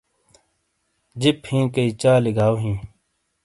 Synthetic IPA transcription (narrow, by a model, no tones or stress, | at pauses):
d͡ʑiphĩːkɐit͡ɕaːliɡaːoɦĩː